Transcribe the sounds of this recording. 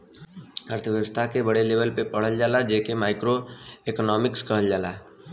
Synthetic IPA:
əɾt̪ʰəʋjəʋəst̪ʰakebəɽeleːʋəlpepəɽ̤əld͡ʒaːlad͡ʒeːkemaːɪkɾoeknɔːmɪkskəɦəld͡ʒaːla

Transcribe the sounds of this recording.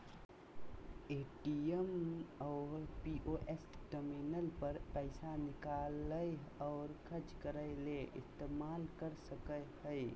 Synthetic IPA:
eːʈiəmɔʊɾpiʔoʔesʈəminəlpəɾpəɪsanɪkaləjɔːɾkʰəɾd͡ʒkəɾəɪleʔɪ̰st̪eːmaːlkəɾsəkəjɦəɪ

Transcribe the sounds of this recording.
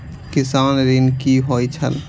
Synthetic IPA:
kɪsaːnɾinkiɦojt͡ʃʰəl

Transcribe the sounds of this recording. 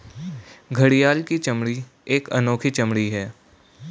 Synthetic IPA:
ɡʱɐɽijaːlkit͡ʃɐmɽi | eːkɐ̰noːkʰit͡ʃɐmɽiɦɛː

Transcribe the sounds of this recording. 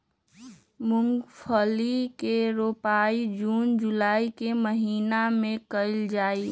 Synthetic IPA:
mʊŋɡpʰəlikeɾopaːid͡ʒuːnd͡ʒulaːikeməɦiːnamẽkəɪld͡ʒaːi

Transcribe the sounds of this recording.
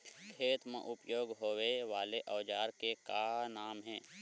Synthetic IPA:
kʰeːt̪mḛ̃ʔʊpjoːɡɦoːweʋaːleʔəʋd͡ʒaːɾkekanaːmɦɛ̃ː

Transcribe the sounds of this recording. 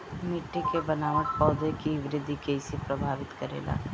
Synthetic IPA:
mɪʈːikebɐnaːnəpɔːd̪ekiʋɪɾɪd̪ʱikeɪsipɾɐbʱaːʋɪt̪kɐɾḛːla̰ː

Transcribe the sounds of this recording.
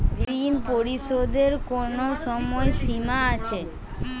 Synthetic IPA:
inpoɾiʃod̪eɾkonoʃɔmɔesimaat͡ɕʰe

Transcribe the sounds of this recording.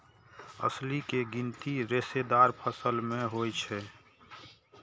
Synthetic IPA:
ə̰slikeɡint̪iɾesed̪aːɾpʰəsəlmẽɦojt͡ʃʰɛ

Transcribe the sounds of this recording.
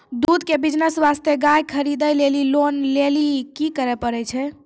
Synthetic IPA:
d̪ud̪kebid͡ʒnəsʋast̪eɡajkʰəɾid̪əjlelilonlelikikəɾɛpəɾɛt͡ʃʰɛ

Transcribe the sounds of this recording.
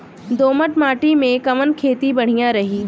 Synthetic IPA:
d̪oːməʈmaːʈimẽkɐʋənkʰeːt̪ibɐɽ̤ijãɾɐɦiː

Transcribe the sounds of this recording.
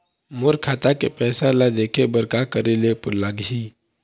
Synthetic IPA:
mʊɾkʰaːt̪akepɛːsãlad̪eːkʰebəɾkakəɾelepʊlaɡɦiː

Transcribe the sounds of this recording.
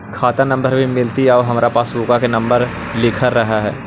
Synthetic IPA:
kʰaːt̪anɐ̃mbəɾbʱimɪlt̪iɦɔːɦɐmaːɾapaːsbukakenɐ̃mbəɾ | lɪkʰəɾːɐɦaɦɛː

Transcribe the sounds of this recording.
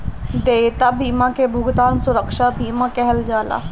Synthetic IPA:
d̪eːt̪abiːmãkebʱʊɡt̪aːnsʊɾəkʃaːbiːmãkɛɦɛld͡ʒaːla̰ː

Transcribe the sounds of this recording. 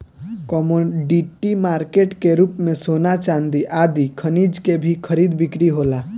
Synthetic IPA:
kɔmoɖiʈimaːɾkeːʈkeɾuːpmẽsoːnat͡ʃãnd̪iʔaːd̪ikʰənid͡ʒkebʱikʰəɾiːd̪bɪkɾiɦoːla

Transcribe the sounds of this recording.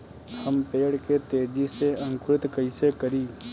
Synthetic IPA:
həmpeːɽket̪eːd͡ʒiseɐ̃ŋkʊɾɪt̪kəɪsekəɾiː

